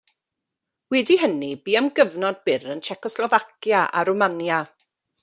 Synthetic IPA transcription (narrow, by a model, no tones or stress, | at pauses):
wɛdihənibiːamɡəvnɔd̚bɪɾənt͡ʃʰɛkɔslˠɔvakjaʔa̰ɾumanja